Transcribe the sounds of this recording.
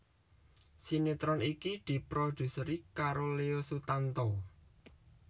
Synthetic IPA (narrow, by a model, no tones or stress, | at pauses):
sinit̪ɾɔnikid̪̥i̤pɾod̪̥ṳsəɾikaɾoleosut̪ant̪ɔ